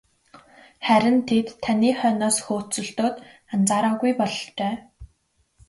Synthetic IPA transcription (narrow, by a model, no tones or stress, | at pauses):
χæɾʲɪ̆nt̪ʰet̪ʰːaniːχœːnɔːsxoːt͡sɵ̆ɬt̪oːt̪ | ant͡saːɾɔːɣujpɔɮɞ̆t͡ɕeː